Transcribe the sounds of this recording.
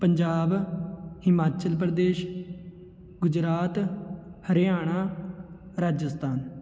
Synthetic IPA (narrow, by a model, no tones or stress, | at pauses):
pəɲd͡ʒaːbhɪmaːt͡ʃəlp̬ɾəd̪eːʃ | ɡʊd͡ʒɾaːt̪həɾɪjaːɽ̃aː | ɾaːd͡ʒəst̪ʰaːn